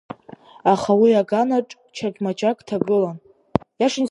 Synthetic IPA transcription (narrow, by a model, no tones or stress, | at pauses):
aχawiaɡanaʈ͡ʂʼ | t͡ʃʰaɡʲmat͡ʃʼakʼtʰaɡɨlan | jaʂɪn